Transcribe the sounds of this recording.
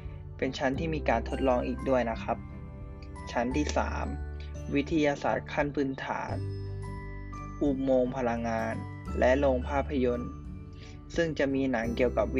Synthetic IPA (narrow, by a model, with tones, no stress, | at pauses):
pe˧nt͡ɕʰa˦˥nt̪ʰiː˥˩miː˧kaː˧nt̪ʰo˦˥t̪̚lɔː˧ŋʔiː˨˩k̚du˥˩əjna˦˥kʰa˦˥p̚ | t͡ɕʰa˦˥nt̪ʰiː˥˩sa̰ː˩˦m | wi˦˥t̪ʰa˧jaː˧sa̰ː˨˩t̪̚kʰa˥˩npʰɯː˧nt̪ʰa̰ː˩˦n | ʔu˧˩moː˧ŋpʰa˧la˧ŋːaː˧n | lʔɛ˦˥ʔloː˧ŋpʰaː˥˩pʰːa˧jo˧n | sɯ˥˩ŋt͡ɕa˨˩miː˧na˩˦ŋki˨˩əwka˨˩p̚